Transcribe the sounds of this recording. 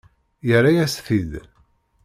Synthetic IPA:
jərːajæsθið

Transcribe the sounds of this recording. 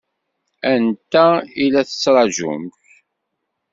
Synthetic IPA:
ænt̪ːæilæθə̥t͡sːɾˤɑʒṵmç

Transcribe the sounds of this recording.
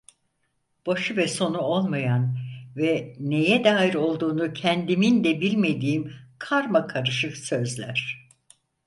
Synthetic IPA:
b̥aʃɯvɛso̞nuo̞lˠmajanvɛne̞jɛd̪aːjiɾo̞lˠd̪uːnucʰɛnd̪imind̪ɛbilʲme̞d̪iːimkʰaɾmakʰaɾɯʃɯksø̞zlʲæɾ̥

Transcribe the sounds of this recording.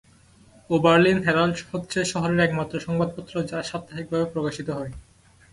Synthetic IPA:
obaɾlinɦɛɾalɖhot̪ːɕʰeʃɔɦoɾeɾɛkmat̪ːɾoʃɔŋbad̪̚pot̪ːɾod͡ʑaʃat̪ːaɦik̚bʱabepɾokaʃit̪oɦɔe

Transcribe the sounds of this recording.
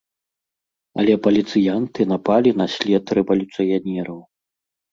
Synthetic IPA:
ɐ̰lʲɛpɐlʲit̪sɨjant̪ɨnɐpalʲinɐsʲlʲɛt̪rɛvɐlʲut̪sɨjanʲɛɾɐw

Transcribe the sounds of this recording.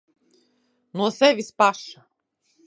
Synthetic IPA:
nuɔsɛvispaʃa

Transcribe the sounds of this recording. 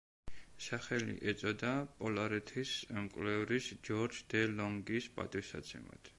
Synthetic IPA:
saχɛlḭʔɛt̪sʼɔd̪apʼɔlaɾɛt̪ʰismkʼlɛvɾisd͡ʒɔɾd͡ʒd̪̥ɛlɔŋɡispʼa̰t̪ʼisa̰t̪sʰɛ̰ma̰d̪̥

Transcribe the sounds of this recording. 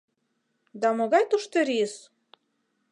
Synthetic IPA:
d̪ɑmoɣɑjt̪uʃt̪ĕɾis

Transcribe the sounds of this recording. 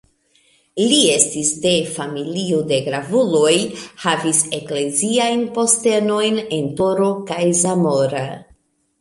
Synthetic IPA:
lie̞stisde̞familiode̞ɡɾavulo̞jhavise̞kle̞ziajnpo̞ste̞no̞jne̞nto̞ɾo̞kajzamo̞ɾa

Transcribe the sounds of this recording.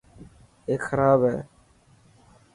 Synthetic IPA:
ekxəɾaːbɛː

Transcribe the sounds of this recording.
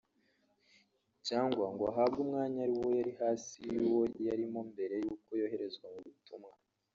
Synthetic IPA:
caːŋɡwaŋɡoaɦabɡumŋaːɲaaɾiwo̞jaɾihaːsiwojaɾimo̞mbe̞ɾe̞juːko̞jo̞ːɦe̞ɾe̞zɡwamuβitumŋa

